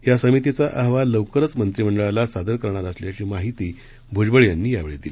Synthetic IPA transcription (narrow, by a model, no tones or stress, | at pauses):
jasəmit̪it͡saʔaɦʋaləwkəɾət͡smənt̪ɾim̤əɳɖəɭalasad̪əɾkəɾɳ̃at̪əsljat͡ɕiːmaɦit̪iː | bʱud͡zbəɭjanːiːjaʋeɭed̪ile